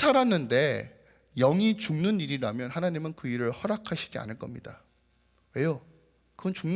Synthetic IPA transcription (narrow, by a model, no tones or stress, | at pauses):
aɾanɯnde̞ | jʌŋit͡ɕuŋnɯniɾiɾamjʌnhanaɲimɯnkɯiɾɯɭhʌɾakʰaɕʰi̥d͡ʑia̰nɯɭk͈ʌmɲida̰ | we̞jo | kɯɡʌnt͡ɕuŋn